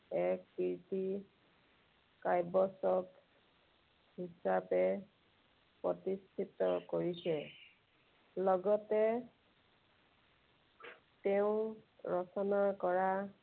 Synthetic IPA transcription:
ɛkːiɹti | kajbɔsɔk | hisapɛ | pɹɔtistʰitɔkoɹisɛ | lɔɡɔtɛ | teʊ̃ɹɔsɔnakɔɹa

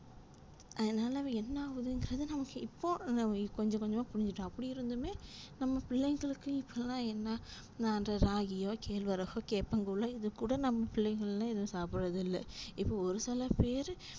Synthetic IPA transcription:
ʔɐðɐnaːlɐʋɛnːɐːʋɐðɯɪŋɡɪɾɐðɯnɐmɐkːɯɪpːoːkɔɲd͡ʒɐ̃kɔɲd͡ʒɐmaːpʊɽɪɲd͡ʒɪʈːõɐpːɐɽɪɪɾɯnd̪ɯmeːnɐmːɐpɪɭːɛɪŋɡɐɭɯkːɯɪpʰːolãːɛnːaː | naːndrɐɾaːɣɪjoːkʰeːlʋɐɾɐɣoːkeːpːɐŋɡuɭɐɪðɯkːuːɽɐnɐmːɐpɪɭːɛɪŋɣɡɐɭlãːɛðɐ̃saːpɪɾɐðɪlːɐ̰ɪpːoːɔɾɯsɪlɐpeːɾ

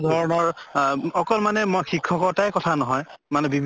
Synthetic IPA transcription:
dʱɔɹɔnɔɹɔkɔlmanɛmɔxikʰːɔkɔɹtajkɔtʰanɔɦɔjmanɛbibʱ

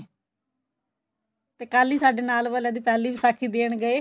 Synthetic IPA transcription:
t̪eːkaːliːsaːɖeːnaːlʋəlaːd̪iːpɛːliːʋisaːkʰiːd̪eːɳ̃ɡəeː

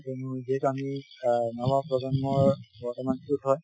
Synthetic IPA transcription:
tɛnuzɛkaminamɔpɹɔzɔnmɔɹbɔɹtɔmansutɦɔj

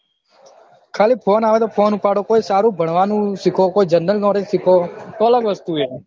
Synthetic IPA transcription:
kʰaliːpʰoːnaʋet̪opʰoːnupaɽokoisaɾũbʱəɳʋanũʃɪkʰokoid͡ʒənːəlnõɾiʃɪkʰot̪oələɡʋəst̪ue

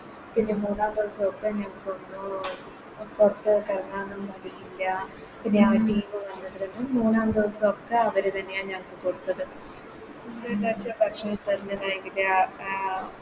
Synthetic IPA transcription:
pinːe̞muːnaːnd̪iʋɐsɐmokːeɲaŋkːonːu | kurɐt̪ːɨkɐrɐnaːnɐmɐɽijilːɐ | pinːeaːʋɐʈːiːmoʋɐnːɐðikɐnummuːnːaːnd̪iʋɐsɐmokːe̞ɐʋɐɾet̪ɐnːe̞jaːnɲaŋkːekoɽut̪ːɐðɨ | lat͡ɕɐbʱɐkʂɐɐt̪ɐɾinːɐðaːjeŋɡila

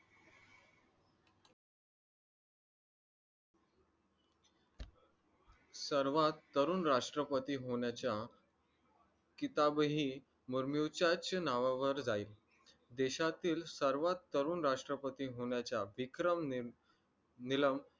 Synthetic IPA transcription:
səɾʋat̪ːəɾuːnɾaʂʈɾəpət̪iːɦoɳjat͡ɕja | kit̪abɦiː | muɾmjut͡ɕat͡ɕnaʋaʋəɾd͡zaiːl | d̪eɕat̪iːlsəɾʋat̪ːəɾuːnɾaʂʈɾəpət̪iːɦoɳjat͡ɕaʋikɾəm | niləm

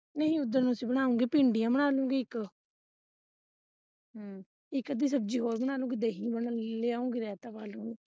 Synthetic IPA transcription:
nəɦĩːʊd̪ːəɾñsĩːbəɳ̃aːũːɡiːpɪ̃ːɳɖijãːbəɽaːlũːɡiːɪk | ɪkːəd̪iːs̬əb̚d͡ʒiːɦoːɾbəñaːlũːɡiːd̪eːɦĩːbəleːaːũːŋɡiːɾɛːt̪aːpaːlũːɡiː

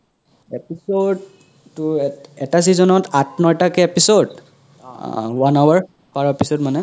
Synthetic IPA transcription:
episodː | uɛtas̬izɔnɔtatʰnɔjtakɛepisod | wanawaɹ | paɹɔepisodmanɛ

